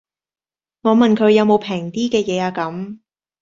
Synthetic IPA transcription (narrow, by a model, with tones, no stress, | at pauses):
ŋɔː˨˧mɐ˨˩nkʰɵ˨˧ɥjɐ˨˧wmo˨˧wpʰɛː˨˩ŋt̪iː˥kɛː˧jɛː˨˧aː˧kɐ˨˥m